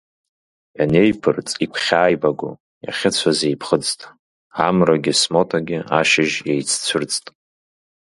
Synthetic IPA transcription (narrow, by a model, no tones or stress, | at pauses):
jane̞jpʰɨrt͡sʼikʷʰχʲaːjbaɡʷʊ̰ | ja̰χʲɪt͡sʷʰazejpʰχəd͡ztʼ | amraɡʲɪsmo̞tʰaɡʲɪaʃɪʒejt͡sʰt͡sʷʰɨrt͡sʼtʼ